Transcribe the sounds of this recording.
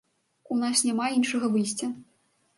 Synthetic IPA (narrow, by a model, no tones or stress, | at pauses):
unasnʲamainʂɐɣɐvɨjsʲt͡sʲɐ